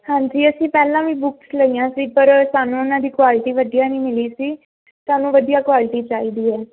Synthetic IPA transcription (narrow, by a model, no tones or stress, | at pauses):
hãːɲd͡ʒiːəsĩːpɛːlãːʋĩːbʊksləiːãːsiːpəɾsaːnũːʊnãːd̪iːkwaːlɪʈiːʋəd̪ijaːnĩːmɪliːsiː | saːnũːʋəd̪ijaːkwaːlɪʈiːt͡ʃaːiːd̪iːɛː